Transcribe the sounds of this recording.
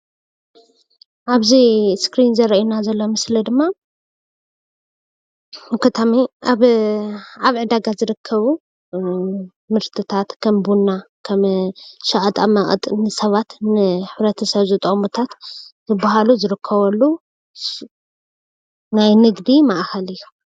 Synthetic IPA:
ʔaβziskɾinzɐɾɐʔjunazɐlːo̞mɨslid̪ɨmːa | mɐkʰːɐt̪ʰamiʔaβ | aβʕɨd̪aɡazɨɾɨkʰːɐβu | mɨɾt̪ʰɨt̪ʰat̪kʰɐmbunːakʰɐmʃɐʔʼɐt̪ʼamɐʔʼt̪ʼnɨsɐβat̪nɨħɨβɾɐt̪ʰɐsɐβzɨt̪ʼɐʔʼmut̪ʰat̪zɨbːahaluzɨɾɨkʰːɐβɐlːu | najnɨɡd̪imaʔxɐlɨjːu

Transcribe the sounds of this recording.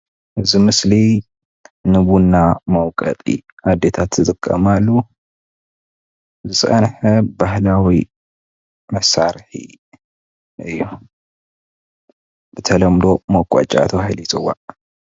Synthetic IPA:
ʔɨzimɨsli | nɨbunːamɐwkʼɐ̰t̪ʼḭad̪ːet̪ʰat̪zɨt̪ʼɨkʼːɐ̰malːu | zɨsʼɐ̰nħɐbahlawi | mɐsːaɾħḭ | ɨjːu | b̥ɨt̪ʰɐlɐmd̪o̞mɐkʼa̰t͡ʃʼa̰t̪ʰɐβahilitʼɨwa̰

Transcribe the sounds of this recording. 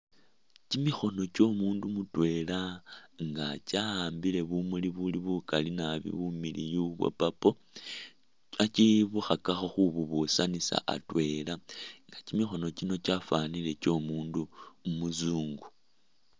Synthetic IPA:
cimixo̞no̞t͡ʃo̞muːndumutwe̞laŋɡat͡ʃaaːmbile̞βumuliβuliβukalinaβḭβumilḭjuβwḛpapo̞ | at͡ʃiβuxakaxoxuβuβusanisa̰ʔa̰twe̞laŋɡacimixo̞no̞t͡ʃino̞t͡ʃafanile̞t͡ʃo̞muːndumumuzuːŋɡu̥

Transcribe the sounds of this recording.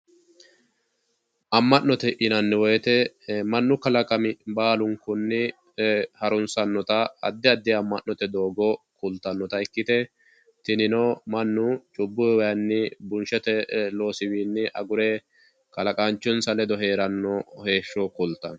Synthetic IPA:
ʔɐmːɐnnɔt̪ɛʔɪnɐnːɛwɔjɛt̪ɛ | mɐnːʊkɐlɐkʼɐmɪbaːlʊŋkʊnːɪ | hɐɾʊnsɐnːɔt̪ɐɐ̰d̪ːɛɐd̪ːɪɐmːɐʔːɔt̪ɛd̪o̞ːɡɔkʊlt̪ːɐnːɔt̪ɐɛkːɪt̪ɛ | t̪ɪnɪnɔmɐnːʊt͡ʃʼʊbːʊwɐjɐnːɪbʊnʃɛt̪ɛlo̞ːsɪwiːnːɪʔɐ̰ɡʊɾɛ | kɐlɐkʼaːnt͡ʃːɔnsɐlɛd̪ɔɦe̞ːɾɐnːɔhe̞ːʃːɔkʊlt̪ːɐn

